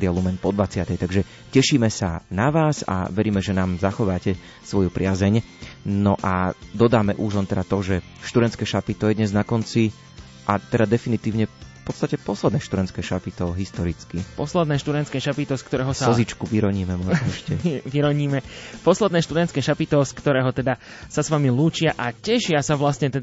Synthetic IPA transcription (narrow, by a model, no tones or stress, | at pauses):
d̪ɪalumɛnpɔd̪ʋat͡sɪat̪ɛjt̪aɡʒɛ | cɛʃiːmɛsanaʋaːza̰ʋɛɾiːmɛʒɛnaːmzaxɔʋaːcɛ | sʋɔjupɾɪazɛɲ | nɔʔad̪ɔd̪aːmɛʔuʒlɔnt̪ɛdat̪ɔʒɛ | ʃt̪ud̪ɾɛntt͡skɛːʃapit̪ɔjɛd̪ɲɛznakɔnt͡si | ʔat̪ɛd̪ad̪ɛfinit̪iːʊɲɛpɔt̪st̪acɛpɔslɛd̪nɛːʃt̪ud̪ɛnt͡sskɛːʃapit̪ɔɦist̪ɔɾit͡skipɔslɛd̪nɛːʃt̪ud̪ɛntskɛːʃapit̪ɔskt̪ɔɾɛːɦɔsaɔzit͡ʃkuʋiɾɔɲiːmɛmɔʒɛʃcɛʋiɾɔɲiːmɛpɔslɛd̪nɛːʃt̪ud̪ɛnt̪kɛːʃapit̪ɔskt̪ɔɾɛːɦɔt̪ɛd̪a | sasʋamiluːt͡ʃɪaʔacɛʃɪasaʋlasɲɛt̪ɛd̪